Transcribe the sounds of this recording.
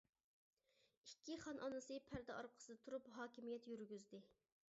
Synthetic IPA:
ikʲːiχɑnʔɑnɨsɨpʰæɾd̪ɛɑɾqʰə̥sɨd̪ɛt̪ʰuɾupɦɑːkʲimijɛt̪jyɾɡʲyzd̪ɪ

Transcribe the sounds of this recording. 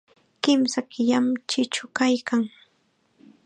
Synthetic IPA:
kɪmsakɪʎamt͡ʃɪt͡ʃʊkajkʰaŋ

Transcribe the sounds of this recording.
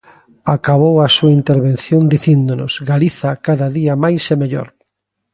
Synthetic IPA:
akaβowasuaint̪eɾβẽn̟θjõnd̪iθind̪onʊzɡaliθɐkaðɐðiɐmajsemeʎo̰ɾ

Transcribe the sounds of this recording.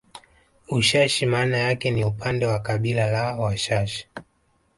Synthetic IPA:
uʃaʃimaːnajakɛniupʰandɛwakaɓilalawaʃaʃi̥

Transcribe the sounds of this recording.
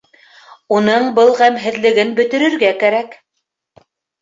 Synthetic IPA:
unɤɴbɤlˠʁæmɦɘ̆ðlɘ̆ɡɘnbɵ̆t̪ɵ̆ɾɵ̆ɾɡækæɾæk

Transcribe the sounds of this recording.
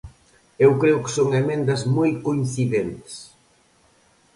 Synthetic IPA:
ewkɾeʊkɪ̥soŋemẽnd̪ɐzmojkoin̟θiðent̪ɪ̥s

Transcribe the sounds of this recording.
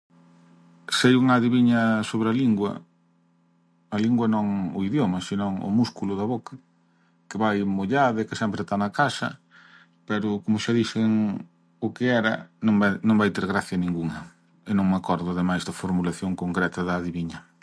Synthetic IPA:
sejuŋaðiβiɲɐsoβɾɐliŋɡwɐ̰ | ɐliŋɡwɐnõŋʊiðjomɐsinɔ̃ŋʊ̰muskulʊðɐβokɐ | kɪβajmoʎaðɪkɪsɛmpɾɪest̪anɐkasɐ̰ | pɛɾʊkomʊʃaðiʃɪŋ | ʊkɪɛɾɐ̰nõŋanõŋbajt̪eɾɣɾaθjɐnĩŋɡuŋɐ | ɪnõŋmakɔɾðʊaðemajzðɐfoɾmulaθjoŋkoŋkɾɛt̪ɐðɐːðiβiɲɐ

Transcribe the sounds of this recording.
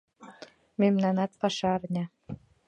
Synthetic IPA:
memnɑnɑt̪pɑʃɑɾnʲɑ

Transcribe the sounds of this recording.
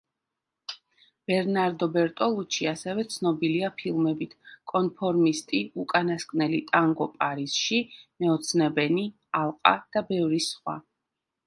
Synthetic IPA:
b̥ɛɾnaɾd̪ɔbɛɾt̪ʼɔlˠut͡ʃʰiasɛvɛt̪sʰnɔbiliapʰilˠmɛbit̪ʰkʼɔnpʰɔɾmist̪ʼiukʼanaskʼnɛlit̪ʼaŋɡɔpʼaɾisʃimɛɔt̪sʰnɛbɛni | alˠqʼa̰d̪̥abɛvɾisχwa̰

